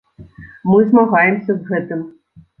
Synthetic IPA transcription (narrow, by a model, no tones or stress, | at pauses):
mɨzmaɣajɛmsʲɐzɣɛt̪ɨm